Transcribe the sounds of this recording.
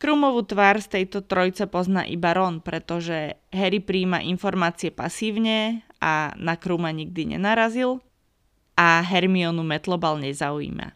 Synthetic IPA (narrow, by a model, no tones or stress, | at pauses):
kɾuːmɔʋuːt̪ʋaɾst̪ɛjt̪ɔt̪ɾɔjt͡sɛpɔzna̰ːʔibaɾɔnpɾɛt̪ɔʒɛɦɛɾipɾiːma̰ʔinfɔɾmaːt͡siɛpa̰siːʊɲɛʔa̰nakɾuːmaɲiɡ̚d̪iɲɛ̰naɾazil | ʔaɦɛɾmiɔnumɛt̪lɔbalɲɛzauḭːma̰